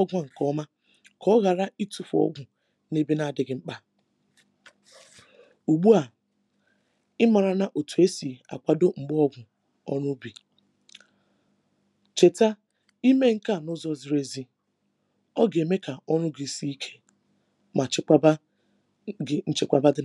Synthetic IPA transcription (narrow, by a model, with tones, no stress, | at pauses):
ɔ˦ɡʷa˦ŋ̩˨kɔ˦ma˦ | kɔ˦ɣa˨ɾa˦i˦tu˨fu˨ɔ̰˦ɡʷʊ˨ | ne˦be˦na˦a˨dɪ˨ɡɪ˨ŋ͡m̩˦k͡pa˦˨ | u˨ɡ͡bu˦a˨ | ɪ˦ma˨ɾa˨na˨ʔo˨tu˨e˦si˨a̰˨kʷa˨do˦ŋ͡m̩˨ɡ͡bɔ˦ɡʷʊ˨ | ɔ˦nʊ˦bi˨ | t͡ʃe˨ta˦ | i˦me˦ŋ̩˦ka˦˨nʊ˦zɔ˦zi˨ɾe˦zi˦ | ɔ˦ɡe˨me˦ka˨ɔ˦nʊ˦ɡɪ˨si˦i˦kʰe̥˦ | ma˨t͡ʃʷa˦ | n̩˦t͡ʃɪ˦kʷa˦˨ba˦dɪ˦